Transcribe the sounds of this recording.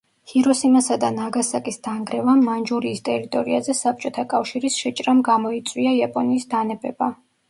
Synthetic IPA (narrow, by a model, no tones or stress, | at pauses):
hiɾɔsimasad̪anaɡasakʼisd̪̥aŋɡɾɛvamːand͡ʒuɾiːst̪ʼɛɾit̪ʼɔɾiazɛsap̚t͡ʃʼɔt̪ʰakʼafʃiɾisʃɛt͡ʃʼɾamɡamɔit̪sʼwiaiapʼɔniːsd̪anɛbɛba